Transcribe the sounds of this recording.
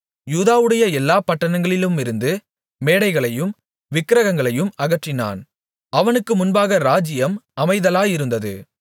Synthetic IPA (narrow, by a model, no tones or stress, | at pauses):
juːðaːʋɯɽɐjɐɛlːaːpɐʈːɐnɐŋɡɐɭɪlɯmɪɾɯnd̪ɯ | meːɽɐɪɣɐɭɐjɯm | ʋɪkːɾɐɣɐŋɡɐɭɐjɯmɐɣɐʈrɪna̰ːn | ɐʋɐnɯkːɯmʊnbaːɣɐɾaːd͡ʒɪjɐmɐmɐɪðɐlaːjɪɾɯnd̪ɐðɯ̰